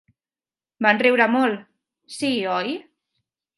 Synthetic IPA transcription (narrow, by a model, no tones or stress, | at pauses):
banrɛwɾəmɔlˠ | siɔj